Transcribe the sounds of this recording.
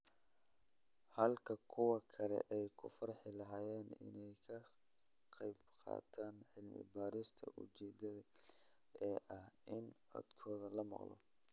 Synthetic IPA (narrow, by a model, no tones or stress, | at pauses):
hɐlkʰɐkʰʊwɑkʰɐlɛ̰ʔɛjkʰʊfɐɾħɪlɐɦaːjɛːnɪ̰nɛjkʰɐ | qɑjbqɑ̰ːt̪ʰaːnħɪlmɪ̰baːɾɪst̪ʰɐ̰ʔʊ̰t͡ʃɛːd̪ɐ | ɛːʔɐhɪnɐ̰d̪kʰɔːðɐlɐmɑ̰qlɔ̰